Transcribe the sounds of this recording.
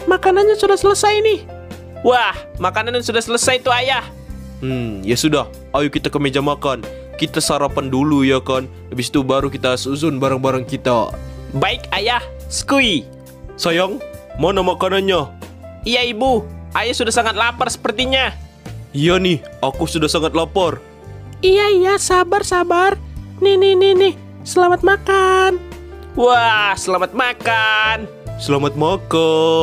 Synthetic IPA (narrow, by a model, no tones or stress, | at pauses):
makananɲasudahsələsajnɪh | wahmakananansudahsələsajt̪uajah̩ | jasudah | ajukit̪akəmed͡ʒamakan | kit̪asaɾapandulujakan | ləbisi̥t̪ubaɾukit̪asuzʊnbaɾaŋbaɾaŋkit̪abaɪkajahsə̥kui | sajaŋmɔnɔmakɔnɔɲɔijaibuʔajasudahsaŋat̪̚lapərsə̥pərt̪iɲa | ijɔnihakusudahsaŋat̪̚lɔpɔr | ijaijasabarsabarnihnɪhninɪh | səlamat̪̚makan | wahsəlamat̪̚makan | səlamat̪̚mɔkɔ